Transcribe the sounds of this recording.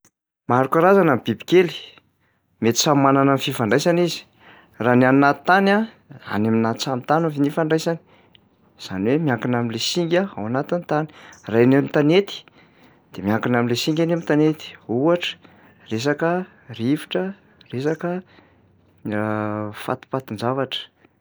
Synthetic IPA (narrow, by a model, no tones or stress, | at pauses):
maɾukaɾazanambibi̥keli̥ | met̪i̥sammːananamififaɳɖ͡ʐajsanizi̥ | raniannat̪i̥t̪ana | a̰naminat̪t͡samit̪anavinifaɳɖ͡ʐajsani̥ | z̥a̰niwemiaŋkinaminlesiŋɡʲaawanat̪int̪ani̥rajnemit̪anet̪i̥ | d̪̥emiaŋkinaminlesiŋɡʲanemit̪anet̪i̥uaʈ͡ʂə̥ | res̬akə | rivi̥ʈ͡ʂə | resakə | nirafa̰t̪i̥pat̪ind͡zavaʈ͡ʂə̥